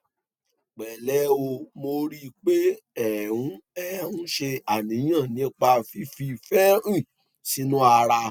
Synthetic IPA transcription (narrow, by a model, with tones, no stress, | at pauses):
k͡pɛ˨lɛ˨˦o˧mo˧ɾi˦k͡pe˦ɛ˨ũ˨˦ɛ˦ũ˦ʃe˧a˨nĩ˨˦ã˦˨nĩ˨˦k͡pa˧fi˦fi˧fɛ˦ɾĩ˦˨ | si˨˦nũ˦a˧ɾa˧